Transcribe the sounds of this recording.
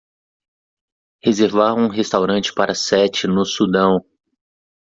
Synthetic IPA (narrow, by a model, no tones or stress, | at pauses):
hezeɾvaṽũɦest̪awɾɐ̃nt͡ʃɪ̥paɾʔɐsɛt͡ʃɪnʊsud̪ɐ̃w̃